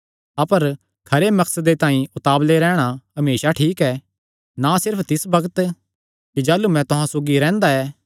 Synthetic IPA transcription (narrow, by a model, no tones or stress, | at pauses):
ɐpəɾ | kʰɐɾemɐksəd̪et̪ãːĩʊt̪aːbleɾɛ̃ːɽ̃aɦɐmeːʃaʈʰiːkɛː | nasɪɾpʰt̪ɪsbɐɡət̪ | kid͡ʒaːlumɛ̃t̪ʊɦãsoːɡiɾɛ̃ːnd̪aɛː